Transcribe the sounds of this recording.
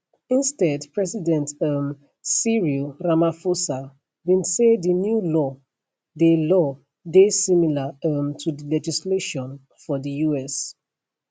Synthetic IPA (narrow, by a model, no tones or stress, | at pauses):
ĩnstɛdpʰɹɛsidɛ̃ntam | siɹiɹamafosa | bĩnsedinjulɔ | delɔ | desĩmilamtʰudəlɛd͡ʒisleʃɔ̃n | fɔdəjuɛs